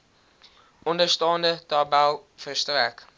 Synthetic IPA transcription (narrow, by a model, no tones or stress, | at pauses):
ʔɔndərstɑːndətɑbælˠfərstræk